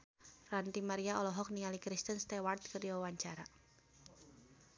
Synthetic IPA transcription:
rant̪imaɾiaɔlɔɦɔk̚niŋalikɾist̪ənst̪ɛwart̪̚kərjawawaɲt͡ʃaɾa

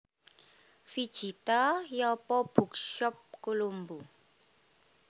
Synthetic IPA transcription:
fid̥ʒ̥it̪ajapɔb̥ṳk̚ʃɔp̚kulumbu

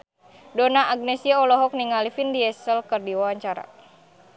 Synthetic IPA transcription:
dɔnaʔaɡ̚nɛsiaɔlɔɦɔk̚niŋalifindiɛsəlkərdiwawaɲt͡ʃaɾa̰

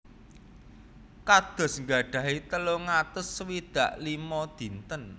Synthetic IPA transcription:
kad̪̥ɔ̤sŋɡa̤ɖ̥ä̤ɦit̪əloŋat̪ʊswid̪̥ä̤ʔlimɔd̪̥i̤nt̪ən

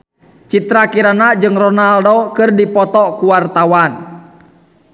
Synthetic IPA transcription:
t͡ʃit̪ɾakiɾanad͡ʒɨŋrɔnaldɔkɨrdipɔt̪ɔkuwart̪awan

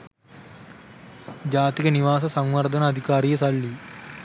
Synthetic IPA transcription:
d͡ʑaːt̪iɣɐniʋaːs̬ɐsɐŋʋɐrd̪ʱɐnɐːd̪ʱikaːɾijɐsɐɭːi

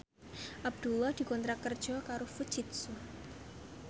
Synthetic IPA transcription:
ʔab̚d̪̥ulɔhd̪̥i̤kɔnt̪ɾakərd̥ʒ̥ɔkaɾofu̥t͡ʃɪt̪̚su

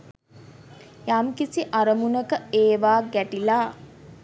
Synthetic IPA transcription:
jamkisiʔaɾəmunəkəeːʋaːɡæʈilaː

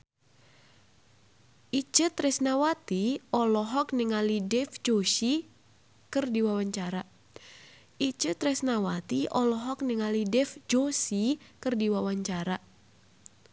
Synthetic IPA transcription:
ʔit͡ʃɨt̪ɾɛsnawat̪iɔlɔɦɔknɪŋalidɛfd͡ʒosi | kɨrdiwawaɲt͡ʃaɾa | ʔit͡ʃɨt̪ɾɛsnawat̪iɔlɔɦɔk̚nɪŋalidɛfd͡ʒosikɨrdiwawaɲt͡ʃaɾa

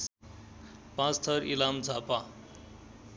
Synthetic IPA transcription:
pãt͡st̪ʰʌɾilamd͡zʱapa

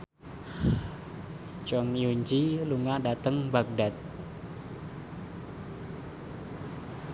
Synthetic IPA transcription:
t͡ʃɔŋjuɲd͡ʒiluŋadat̪əŋbak̚dat̪̚

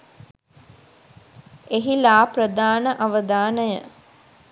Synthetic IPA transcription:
eɦilaːpɾəd̪aːnəʔaʋəd̪aːnəjə

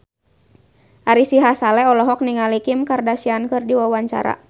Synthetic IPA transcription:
ʔaɾisiɦasalɛɔlɔɦɔk̚niŋalikimkardasiankɨrdiwawaɲt͡ʃa̰ɾa̰

